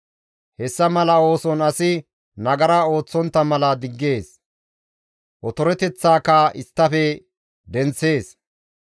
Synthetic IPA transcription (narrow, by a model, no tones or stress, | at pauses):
hɛsːɐmɐlɐo̞ːsɔnɐsɪ | nɐɡɐɾɐo̞ːt͡sːɔnt̪ːɐmɐlɐd̪ɪɡːe̞ːs | ʔɔt̪ɔɾɛt̪ɛt͡sːaːkːɐʔɪst̪ːɐfɛ | d̪ɛnt͡sːe̞ːs